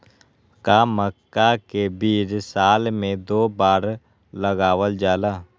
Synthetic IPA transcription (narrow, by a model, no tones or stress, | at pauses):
kaməkːakebiːd͡ʒsaːlmẽd̪oːbaːɾ | ləɡaːʋəld͡ʒaːlaː